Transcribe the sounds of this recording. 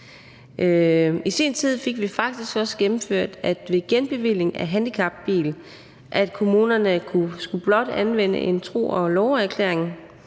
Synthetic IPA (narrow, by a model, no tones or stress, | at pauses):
ʔøisḭːnt͡sʰið̰ˠfe̝ɡ̥ʋifɑ̈ɡ̥̚d̥isɡ̥ɒ̽səɡ̥emm̩føɐ̰d̥æ̥ʋe̝ɡ̥enb̥e̝ʋile̝ŋæɦænd̥ikʰɑ̈b̥ːḭːl | ʔæd̥kʰo̝muːnɐnəkʰusɡ̥ub̥lɒ̽d̥ænʋen̰ə̰ʔe̝nt͡sʰʁo̝̰ːɒ̽lɒʊæɐkʰlḛɐ̰e̝ŋ